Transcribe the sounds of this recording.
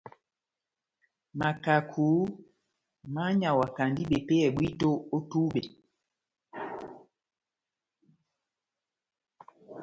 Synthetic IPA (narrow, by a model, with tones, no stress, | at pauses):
ma˨ka˨kʰuː˨˦ | ma˦ɲa˨wa˨ka˨ndi˦ɓɛ˨pe˦ɛ˨ɓwi˦to˦o˦tu˦ɓe˨